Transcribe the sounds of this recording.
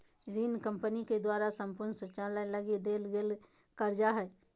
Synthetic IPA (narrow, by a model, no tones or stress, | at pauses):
ɾiːnkə̃mpəniked̪waːɾasə̃mpʊɾnsət͡ʃalələɡed̪eːlɡeːl | kəɾd͡ʒaɦɛː